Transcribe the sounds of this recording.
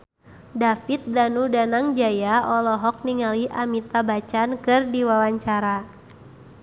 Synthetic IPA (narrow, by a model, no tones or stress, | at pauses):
dafit̪̚danudanaŋd͡ʒajaɔlɔɦɔk̚niŋaliʔamit̪abat͡ʃankɨrdiwawaɲt͡ʃaɾa